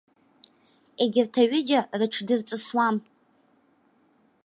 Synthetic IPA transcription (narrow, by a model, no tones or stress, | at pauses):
eɡʲɪrtʰaɥɪd͡ʒarɨʈ͡ʂʰdɨrt͡sʼɨswam